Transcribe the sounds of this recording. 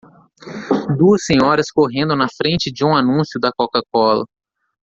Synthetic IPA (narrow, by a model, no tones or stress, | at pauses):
d̪uɐsːẽɲɔɾɐskoɦẽnd̪ʊnɐfɾẽnt͡ʃɪd͡ʒɪũanũsjʊd̪ɐkokakɔlɐ̰